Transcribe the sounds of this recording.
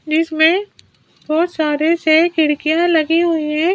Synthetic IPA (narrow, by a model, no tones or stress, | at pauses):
d͡ʒɪsmẽ | b̥ɔːt̪saːɾesekɪɽkijãlɐɡiɦʊiɦɛ̃ː